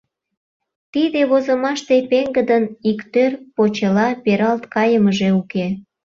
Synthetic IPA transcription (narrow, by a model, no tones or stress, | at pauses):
t̪id̪eβozəmɑʃt̪epeŋɡəd̪ənikt̪ørpot͡ɕəlɑpeɾɑlt̪kɑjəməʒeuke